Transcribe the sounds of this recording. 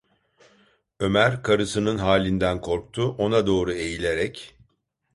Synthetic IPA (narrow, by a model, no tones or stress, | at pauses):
ø̞mæɾkʰaɾɯsɯnɯnɦaːlʲind̪ænkʰo̞ɾk̚t̪ʰuʔo̞nad̪o̞ːɾue̞jilʲe̞ɾɛc